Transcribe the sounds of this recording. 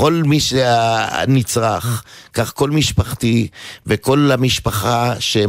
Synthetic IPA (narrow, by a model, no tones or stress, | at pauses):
o̞lmiʃea̰nit͡sʁaχkaχko̞lmiʃpaχtiveko̞lamiʃpaχaʃe